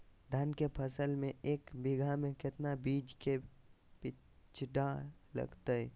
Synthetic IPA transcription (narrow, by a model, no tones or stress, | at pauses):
d̪ʱankepʰəsəlmẽeːkbɪɡʱamẽkɪt̪nabiːd͡ʒke | pɪ | t͡ʃʰʈalə̰ɡt̪aɛ